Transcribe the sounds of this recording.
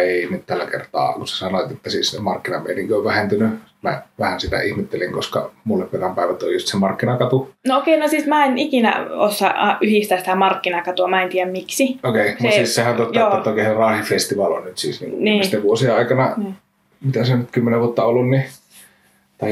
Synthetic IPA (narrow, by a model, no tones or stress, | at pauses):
eˑiihnit̪ælːækḛrt̪ɑ̰ːkuse̥sɑnoˑt̪et̪ːæsiːsemɑrkːinɑmḛˑiniŋkoʋʋæhent̪yny | mæ̰ʋæhænsit̪æ̰ihmet̪ːeliŋkoskɑ̰mulːepperɑmpæˑeʋæt̪ːo̰jjust̪semɑrkːinɑkɑt̪unookeˑinosiːsmæːenikinæ̰osːɑ̰ɑʔʔyhist̪æsi̥t̪æmɑrkːinɑkɑt̪uɑmæent̪iːjæmmiksiokeˑimust̪siːssehænt̪ot̪ɑoˑɑt̪ːˑoˑikeˑserɑːˑhifest̪iʋɑːlo̰nnyt̪sḭːsniːŋkuniːst̪eʋuosieɑˑikɑnɑ | mit̪æsenyt̪kymːeneʋuot̪ːɑolːunni | t̪ɑˑi